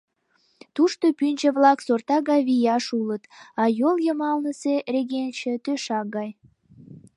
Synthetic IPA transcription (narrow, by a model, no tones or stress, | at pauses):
t̪uʃt̪opynʲd͡ʒə̆βlɑksort̪ɑɣɑjβijɑʃulət̪ɑjoljəmɑlnəsereɣent͡ɕə̆t̪øʃɑɡɑj